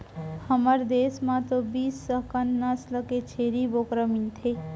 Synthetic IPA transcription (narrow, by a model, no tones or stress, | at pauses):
həməɾd̪eːsmãt̪obiːsːəkənnəsləket͡ʃʰeːɾibokɾəmint̪ʰe